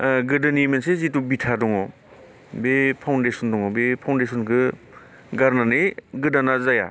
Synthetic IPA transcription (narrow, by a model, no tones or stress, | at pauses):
ɡɯdɯnimensezitubitʰadɔŋɔ | bepʰawndesɔndɔŋɔbepʰawndesʰɔnkʰɯ | ɡaɾnanɯjɡɯdanazaja̰